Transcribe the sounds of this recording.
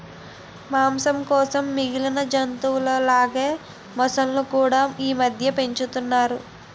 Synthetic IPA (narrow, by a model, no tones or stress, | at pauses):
maːmsɐmkɔːsɐmːiɡilɐnɐd͡ʒɐnt̪uːloːlaːɡeː | mɔsɐlnukuːɽaːiːmɐd̪ʱjɐpe̞ɲt͡ʃut̪unːaːɾu